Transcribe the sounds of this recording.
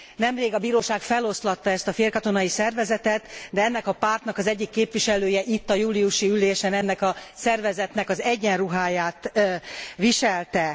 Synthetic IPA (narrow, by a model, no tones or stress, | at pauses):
nɛmreːɡɒbiːɾoːʃaːkfɛlo̞slɒt̪ːɒɛst̪ɒfeːrkɒt̪o̞nɒjisɛrvɛzɛt̪ɛt̪d̪ɛɛnːɛkɒpaːrt̪nɒkɒzɛɟːikːeːpʋiʃɛløːjɛʔit̪ːɒjuːliuʃiyleːʃɛnɛnːɛkɒsɛrvɛzɛt̪nɛkɒzɛɟːɛnruɦaːjaːt̪ | ʋiʃɛlt̪ɛ